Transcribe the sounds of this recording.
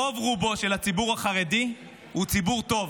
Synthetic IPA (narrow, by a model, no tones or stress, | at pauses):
ovʁubo̞ʃe̞lhat͡sibuʁhaχaʁedi | hut͡sibuʁt̪o̞v